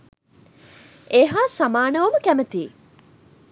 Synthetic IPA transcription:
eːɦaːsamaːnəʋɐməkæmət̪iː

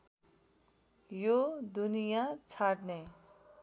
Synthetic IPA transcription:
jod̪unijat͡sʰaɽne

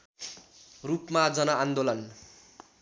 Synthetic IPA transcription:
rupmad͡zʌnʌand̪olʌn

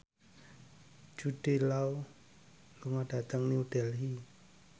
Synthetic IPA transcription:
d͡ʒ̥ud̥e̤lau | luŋad̥a̤t̪əŋniuɖɛlɦi

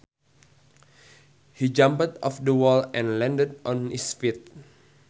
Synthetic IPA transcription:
hid͡ʒãmpətɔfdəwɔlɛ̃nlɛ̃ndədʔɔ̃nisfit̪̚

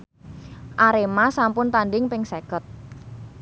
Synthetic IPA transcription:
ʔaɾemasampʊnt̪anɖɪŋpɪŋsekət̪̚

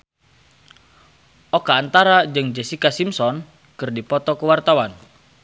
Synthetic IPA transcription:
ʔɔkaːnt̪aɾad͡ʒɨŋd͡ʒɛsikasimsɔn | kɨrdipɔt̪ɔkəwart̪awan

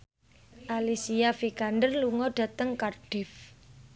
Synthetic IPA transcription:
ʔalisiafikandərluŋɔɖ̥ä̤t̪əŋkarɖ̥ɪ̤f

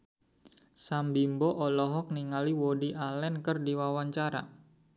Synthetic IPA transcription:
sambimbɔʔɔlɔɦɔk̚niŋaliwodiʔalɛnkərdiwawaɲt͡ʃaɾa̰

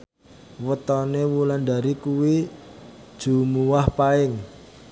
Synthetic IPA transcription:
wət̪ɔnewulanda̤ɾikuwi | d̥ʒ̥ṳmuwahpaɪŋ

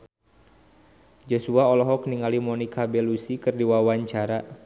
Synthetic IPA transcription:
d͡ʒosuaɔlɔɦɔkniŋalimɔnikʰabelusikɨrdiwawaɲt͡ʃaɾa

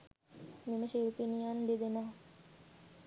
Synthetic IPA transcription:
miməʃiɾupinijand̪ed̪ena

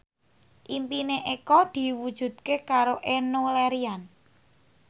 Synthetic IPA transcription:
ʔimpineʔekɔd̪̥i̤wud̥ʒ̥ṳd̪̥̚kekaɾoʔenolɛɾian

